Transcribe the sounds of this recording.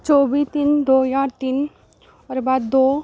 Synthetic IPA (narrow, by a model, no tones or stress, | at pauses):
t͡ʃɔbit̪iːnd̪ojaɾt̪in | ɔɾbad̪d̪o